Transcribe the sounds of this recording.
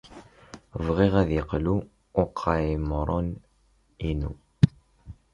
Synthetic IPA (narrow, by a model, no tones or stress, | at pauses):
vʁiʁæðjəqluː | qʰːajmɾˤon | inṵ